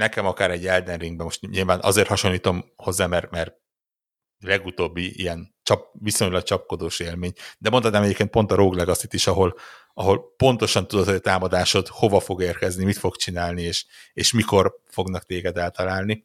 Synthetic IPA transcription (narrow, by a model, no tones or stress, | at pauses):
nɛkɛmɒkaːɾɛɟːɛld̪ɛnriŋɡ̚bɛmo̞ʃt̪ɲilvaːnʔɒ̰zeːrt̪hɒʃo̞nliːt̪o̞mho̞zːaːmɛrmɛr | lɛɡut̪oːbːiḭjɛnt͡ʃɒp̚viso̞ɲlɒk̚t͡ʃɒp̚ko̞d̪oːʃeːlmeːɲd̪ɛmot̪hɒt̪naːmɛɟeːpkeːnt̪po̞nt̪ɒɾoːɡlɛɡɒsit̪ːiʃɒɦo̞l | ɒɦo̞lpo̞nt̪o̞ʃɒnt̪ud̪ot̪hoɟɒt̪aːmɒd̪aːʃo̞t̪ho̞vɒfo̞ɡeːrkɛznimit̪fo̞kt͡ʃinaːlnieːʃeːʃmiko̞rfo̞ɡnɒkt̪eːɡɛd̪ɛlt̪ɒlaːlni